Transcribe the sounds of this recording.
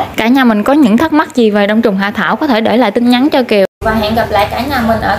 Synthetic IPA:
kaː˧˩ɲaː˨˩mï˨˩ŋ̟kɔ˨˦ɲɨ̰˧˥ŋt̪ʰə˦˥t̚ma˦˥t̚zi˨˩veː˨˩ɗə˧wŋ͡mt͡ɕʊ˨˩ŋ͡mɦaː˧˩t̪ʰaː˧˩wkɔ˨˦t̪ʰe˧˩ɗe˧˩la̰ː˧˨t̪ɨ˨˦nɲa˨˦nt͡ɕɔ˧ki˨˩əwvaː˧˩ŋhḭ˧˨nɣa˨˩p̚la̰ː˧˨jkaː˧˩ɲaː˨˩mï˨˩ŋ̟ʔəː˧˩

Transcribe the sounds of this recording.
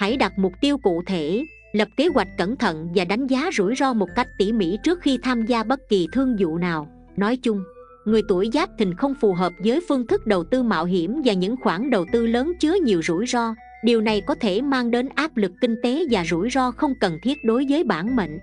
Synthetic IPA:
ha̰˧˩jɗa˨˩t̚mʊ˨˩k͡p̚t̪i˧əwkṵ˧˨t̪ʰe˧˩ | lə˨˩p̚ke˨˦ɣwa˨˩jk̟̚kə˧˩nt̪ʰə̰˧˨nvaː˨˩ɗa˨˦jŋ̟zaː˨˦zṵ˧˩jzɔ˧mo˨˩t̚ka˦˥jk̟̚t̪ḭ˧˩mḭ˧˥t͡ɕɨ˦˥ək̚xi˧t̪ʰaː˧mzaː˧ɓə˦˥t̚ki˨˩t̪ʰɨ˧əŋzṵ˧˨naː˨˩w | nɔ˨˦jt͡ɕʊ˧ŋ͡m | ŋɨ˨˩əjt̪u˧˩əjzaː˦˥p̚t̪ʰï˨˩ŋ̟xə˧wŋ͡mfu˨˩ɦəː˨˩p̚zəː˨˦jfɨ˧əŋt̪ʰɨ˦˥k̚ɗə˨˩wt̪ɨ˧ma̰ː˧˨wɦi˧˩əmvaː˨˩ɲɨ̰˧˥ŋxwaː˧˩nɗə˨˩wt̪ɨ˧ləː˨˦nt͡ɕɨ˨˦əɲi˨˩əwzṵ˧˩jzɔ˧ | ɗi˨˩əwna˨˩jkɔ˨˦t̪ʰe˧˩maː˧ŋɗe˨˦nʔaː˦˥p̚lɨ˨˩kːï˧ŋ̟t̪e˨˦vaː˨˩zṵ˧˩jzɔ˧xə˧wŋ͡mkə˨˩nt̪ʰi˦˥ət̚ɗo˨˦jvəː˨˦jɓaː˧˩nmḛ˧˨ŋ̟

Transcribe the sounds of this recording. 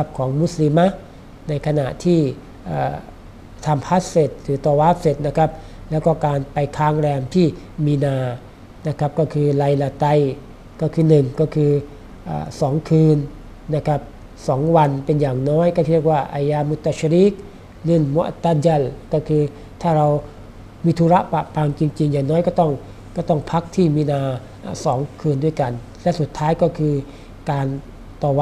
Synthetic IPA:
a˧˥p̚kʰɔː˩˦ŋmu˧˥˩sli˧ma˧˥ | na˧jkʰa˧na̰˨˩ʔt̪ʰiː˥˩ | ʔa̰ː˨˩ | t̪ʰa˧mpʰa˦˥t̪̚se˨˩t̪̚ɾɯː˨˦t̪ɔː˧waː˦˥˩p̚se˨˩t̪̚na˧kʰa˦˥p̚ | lɛː˦˥wkɔː˧˩kaː˧npa˧jkʰaː˧˥ŋlɛː˧mt̪ʰiː˥˩ | miː˧naː˧ | na˦˧˥kʰa˦˥p̚kɔː˧˩kʰɯː˧la˧jla˧t̪a˧j | kɔː˧˥˩kʰɯː˧nɯ˨˩ŋkɔː˥˩kʰɯː˧ | ʔa̰ː˨˩sɔː˩˦ŋkʰɯː˧nː | a˧˥˩kʰa˦˥p̚ | sɔː˩˦ŋwa˧npe˧njaː˨˩ŋnɔː˦˥jkɔ˥˩˧k̚waː˥˩ʔa˧jaː˧mu˦˥t̪a˧ɕi˧ɾi˦˥k̚ | li˧˥˩nmṵ˦ʔt̪a˧d͡ʑa˧˩˨lkɔː˥˩kʰɯː˧ | t̪ʰaː˥˩ɾa˧w | miː˧t̪ʰuː˧˩ɾa˦˥ʔpa̰˨˧˨ʔpʰaː˧ŋt͡ɕi˧ŋt͡ɕi˧ŋjaː˨˩ŋnɔː˦˥jkɔː˥˩t̪ɔ˥˩ŋ | kɔː˥˩t̪ɔ˥˩ŋpʰa˦˥k̚t̪ʰiː˥˩miː˧naː˧ | ʔa̰ː˧˩sɔː˩˦ŋkʰɯː˧ndu˥˩jka˧n | lɛ˦˥su˨˩t̪ʰːaː˦˥jkɔː˥˩kʰɯː˧ | kaː˧n | t̪ɔː˧˩˧

